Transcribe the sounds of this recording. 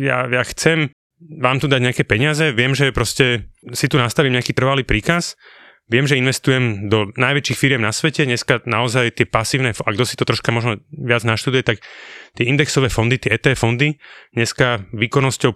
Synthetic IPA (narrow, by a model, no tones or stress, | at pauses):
ja̰jaxt͡sɛm | ʋaːmt̪ud̪aɟɲakɛːpɛɲɪazɛʋɪɛmʒɛpɾɔscɛsit̪unast̪aʋiːmɲakiːt̪r̩ʋaliːpɾiːkas | ʋɛmʒɛinʋɛst̪ujɛmd̪ɔnajʋɛt͡ʃiːxfiɾɪɛmnasʋɛcɛɲɛskanaɔzajt̪ɪɛpasiːʊnɛfaɡd̪ɔsi̥t̪ɔt̪ɾɔʃkamɔʒnɔʋɪad͡znaʃt̪ud̪ujɛt̪akt̪ɪɛind̪ɛksɔʋɛːfɔnd̪it̪ɪɛɛːt̪ɛfɔnd̪iɲɛskaʋiːkɔnɔscɔʊ